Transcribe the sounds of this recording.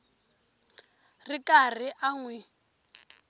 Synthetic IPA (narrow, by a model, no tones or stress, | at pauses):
rikar̤iʔaŋwɛ